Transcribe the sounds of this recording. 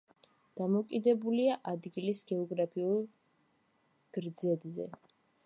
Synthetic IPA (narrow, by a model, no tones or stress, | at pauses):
d̪̥amɔkʼid̪ɛbuliaʔad̪ɡilisɡɛɔɡɾapʰiulˠ | ɡ̥ɾd̪zɛd̪zɛ̰